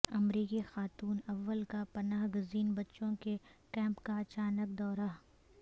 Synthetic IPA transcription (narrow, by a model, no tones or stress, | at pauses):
ɐmɾiːkixaːt̪uːnɐʋːəlkapɐnaːɦɡʊziːnbɐtːʃõkekɛ̃ːmpkaɐt͡ʃaːnək̚d̪ɔːɾa